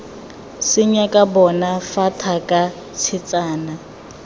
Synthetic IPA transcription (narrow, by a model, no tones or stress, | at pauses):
sɪɲakʼabɔnafatʰakʼa | t͡sʰɪt͡sʼaːna